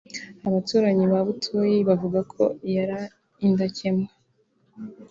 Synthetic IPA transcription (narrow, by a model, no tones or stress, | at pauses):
aβatuːɾaɲiβaβutʰujiβavuɡakʰo̞jaɾa | indacʰema